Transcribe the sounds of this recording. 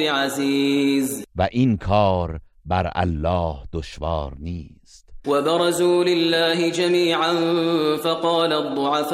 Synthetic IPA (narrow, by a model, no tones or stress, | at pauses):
ɪʕaziːzvæʔinkʰɒːɾ | bæɾæ̰lːɒːhd̪̥oʃvɑːɾniːst̪wabɪɾˤɑzuːlɪlːaːɦɪd͡ʒamiːʕanfɑqɑːlad̪ˤːʊʕaf